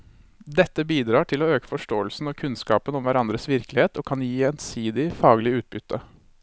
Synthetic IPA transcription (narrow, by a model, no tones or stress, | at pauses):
d̪ɛt̪ːəbiːd̪ɾɑːʈʰɪloːøːkə̥fɔʂʈoːəlsn̩ɔkʰʉnskɑːpənɔmʋæɾɑnd̪ɾəsʋɪɾklɪheːt̪ɔːkʰɑnjiːɛnsiːd̪ɪfɑːɡlɪʉːt̪̚bʏt̪ʰːə